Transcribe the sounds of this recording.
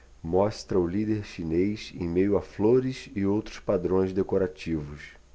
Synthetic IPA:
mɔst̪ɾɐʊlid̪eɾʃinejsḛ̃j̃mejʊafloɾɪsɪowt̪ɾʊspad̪ɾõj̃zd̪ekoɾat͡ʃivʊs

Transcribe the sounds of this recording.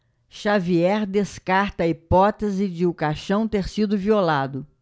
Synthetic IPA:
ʃaviɛɾd̪eskaɾt̪ɐːipɔt̪ezɪd͡ʒɪʊkaʃɐ̃w̃t̪eɾsid̪ʊviolad̪ʊ

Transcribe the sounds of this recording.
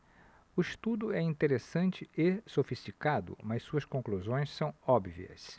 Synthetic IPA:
ʊist̪ud̪ʊɛĩnt̪eɾesɐ̃nt͡ʃɪesofist͡ʃikad̪ʊ̰mɐssuɐskõŋkluzõj̃ssɐ̃w̃ɔbvḭɐ̰s

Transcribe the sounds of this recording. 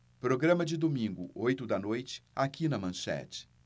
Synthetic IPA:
pɾoɡɾɐ̃mɐd͡ʒɪd̪omĩŋɡʊ̰ojt̪ʊd̪ɐnojt͡ʃɪ̥akinɐmɐ̃ʃɛ̰t͡ʃɪ̥

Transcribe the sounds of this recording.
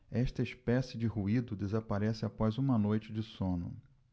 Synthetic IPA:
ɛʃt̪ɐispɛsɪd͡ʒɪɦuid̪ʊd̪ezapaɾɛsɪapɔzũmɐnojt͡ʃɪd͡ʒɪsõnʊ̰

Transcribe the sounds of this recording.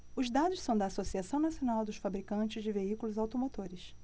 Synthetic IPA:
ʊzd̪ad̪ʊssɐ̃w̃d̪ɐːsosiasɐ̃w̃nasionawd̪ʊʃfabɾikɐ̃nt͡ʃɪzd͡ʒɪveikulʊzawt̪omot̪oɾɪs

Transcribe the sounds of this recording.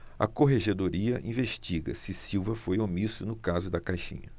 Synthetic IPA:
ɐ̰koɦeʒed̪oɾiɐʔĩveʃt͡ʃiɡɐ̰sɪsiwvɐfojomisʊnʊkazʊd̪ɐkajʃḭ̃ɲɐ

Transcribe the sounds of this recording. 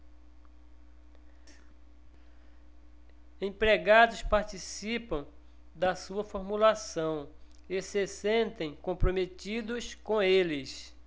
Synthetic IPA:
ẽpɾeɡad̪ʊspaɾt͡ʃisipɐ̃w̃ | d̪ɐsuɐfoɾmulasɐ̃w̃ | ɪsɪsẽnt̪ẽj̃kõmpɾomet̪id̪ʊskõelɪs

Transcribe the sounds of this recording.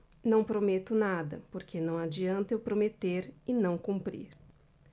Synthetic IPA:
nɐ̃w̃pɾomet̪ʊnad̪ɐ̰poɾkʰenɐ̃w̃ad͡ʒiɐ̃nt̪ɐewpɾomet̪eɾɪnɐ̃w̃kũmpɾḭɾ

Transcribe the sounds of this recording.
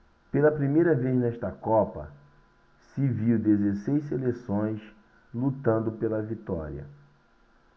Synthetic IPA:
pelɐpɾimejɾɐveznɛʃt̪ɐkɔpɐ̰ | sɪviwd̪ezesejʃs̬elesõj̃s | lut̪ɐ̃nd̪ʊpelɐvit̪ɔ̰ɾiɐ̰

